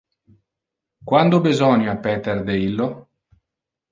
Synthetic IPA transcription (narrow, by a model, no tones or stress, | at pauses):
kwand̪obizɔnjapːɛt̪erd̪eilːo